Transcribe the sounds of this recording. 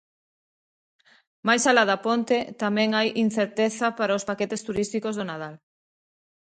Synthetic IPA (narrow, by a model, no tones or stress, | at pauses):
majsalaðɐpont̪et̪amɛ̃ŋajʔin̟θeɾt̪eθɐpaɾaospaket̪est̪uɾist̪ikozðonaðal